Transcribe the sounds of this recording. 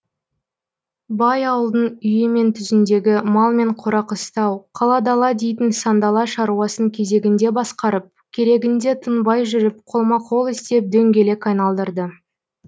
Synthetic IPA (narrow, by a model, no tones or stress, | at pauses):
bɑjɑwəlˠd̪ənʏjɪme̞nt̪ʰʏzɪnd̪e̞ɡʲɪmɑlˠme̞ɴqʰoɾɑqəst̪ɑwqʰɑlˠɑd̪ɑlˠɑd̪e̞jt̪ɪnsɑnd̪ɑlˠɑʃɑɾuɑsəŋkʲʰe̞ze̞ɡʲɪnd̪e̞bɑsqɑɾəp̚kʲʰe̞ɾe̞ɡʲɪnd̪e̞t̪ʰənbɑjʒʏɾɪp̚qʰo̞lˠmɑqʰo̞lˠɪst̪e̞p̚d̪ɵŋɡʲe̞le̞kɑjnɑlˠd̪əɾd̪ə